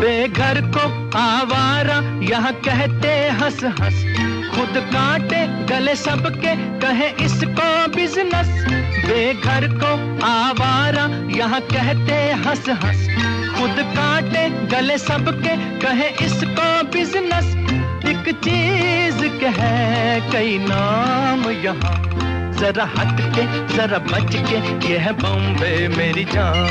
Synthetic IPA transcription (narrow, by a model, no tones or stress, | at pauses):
beːɡʱɐɾko | aːʋaːɾãjɐɦãkɛɦt̪eɦɐsɦɐs | xʊd̪kaːʈe | ɡɐlesɐbke | kɐɦẽʔɪskobɪznəsbeːɡʱɐɾko | aːʋaːɾa | jɐɦãkɛɦt̪eɦɐsɦɐ̰s | xʊd̪kaːʈeɡɐlesɐbke | kɐɦẽʔɪskobɪznəs | ɪkt͡ʃiːzkɐɦɛ̃kɐinaːmjɐɦã | zɐɾahɐt̪ke | zɐɾabɐt͡ʃke | jɛɦbɐ̃mbemeːɾid͡ʒaː